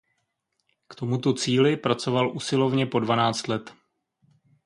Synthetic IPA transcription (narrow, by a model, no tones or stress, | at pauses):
kt̪o̞mut̪ot͡siːlɪpɾat͡so̞valʔusɪlo̞vɲɛpo̞dvanaːt͡st̪lɛt̪